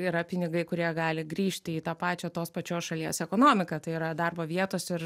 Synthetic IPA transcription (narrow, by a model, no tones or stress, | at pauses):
iːɾɐpʲɪnʲɪɡɐɪkʊɾʲiɛɡɑːlʲɪɡɾʲiːʃʲt̪ʲɪiːt̪ɐːpɑːt͡ʃʲot̪oːspɐt͡ʃʲoːsʃɐlʲiɛsɛkoːnoːmʲɪkɐt̪ɐɪiːɾɐd̪ɑrboːʋʲiɛt̪oːsɪɾ